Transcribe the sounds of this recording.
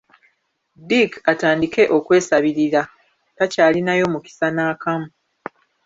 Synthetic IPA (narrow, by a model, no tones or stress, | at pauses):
dikataːndike̞ʔo̞kwe̞ːsaβiɾiɾa | tacaːlinajo̞muki̥sanaːkamu